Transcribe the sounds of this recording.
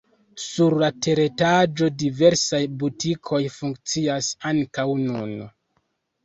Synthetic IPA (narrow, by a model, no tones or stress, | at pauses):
suɾlatʰe̞ɾe̞tad͡ʒo̞dive̞ɾsajbutikʰo̞jfuŋkt͡siasaŋkawnṵn